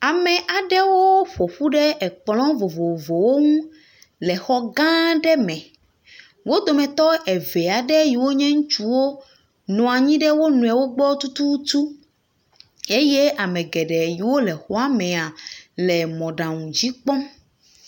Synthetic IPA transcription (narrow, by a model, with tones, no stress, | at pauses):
a˨mɛ˨ʔa˨ɖɛ˦wo˦ɸo˨ɸu˦ɖɛ˦ɛ˨k͡plɔ̃˦vo˨vo˨vo˨wo˦ŋũ˦ | lɛ˨xɔ˦ɡã˦ɖɛ˦mɛ̃˨ | wo˦d̪o˨mɛ̃˨t̪ɔ˦ɛ˨vɛ˨a˨ɖɛ˦ji˨wo˦ɲɛ̃˦ŋũ˦t͡ʃu˦wo˦ | nɔ̃˨a˨ɲĩ˦ɖɛ˦wo˦nũ˨ɛ˨wo˦ɡ͡bɔ˦t̪u˦t̪u˦t̪u˦ | e˦jɛ˦ʔa˨mɛ̃˨ɡɛ˨ɖɛ˨ji˨wo˦lɛ˨xɔ˦a˦mɛ̃˨a˨lɛ˨mɔ̃˨ɖã˨ŋũ˨d͡ʑi˦k͡pɔ̃˦